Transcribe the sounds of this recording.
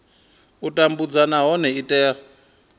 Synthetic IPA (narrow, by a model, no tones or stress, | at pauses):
utʼambud͡zanaɦɔnɛitʼɛːra